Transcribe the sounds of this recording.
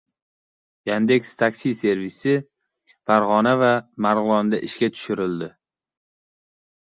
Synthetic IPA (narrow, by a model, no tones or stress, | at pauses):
jand̪ekʲst̪ʰakʲsijse̞ɾvisɪ | faɾʁɒnavamaɾʁʊlˠɒnd̪aʔɪʃkʲat̪ʰʊ̥ʃɪɾɪld̪ɪ